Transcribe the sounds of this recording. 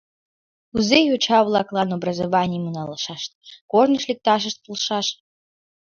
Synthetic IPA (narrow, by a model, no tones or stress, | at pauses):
uzejot͡ɕɑβlˠɑklˠɑnobrəzovɑnʲɪjmənɑləʃɑʃt̪̚kornəʃlʲik̚t̪ɑʃ̬əʃt̪̚pulˠʃɑʃ